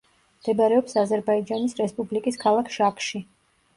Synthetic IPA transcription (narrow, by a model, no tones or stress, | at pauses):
md̪̥ɛbaɾɛɔpsazɛɾbaid͡ʒanisɾɛspʼublikʼiskʰalˠakʰʃakʼʃi